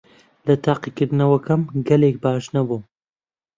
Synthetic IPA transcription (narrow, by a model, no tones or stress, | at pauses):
lɐt̪ʰaːqikɨɾd̪ɨnɐwɐkɐmɡɐlek̚baːʃnɐbuː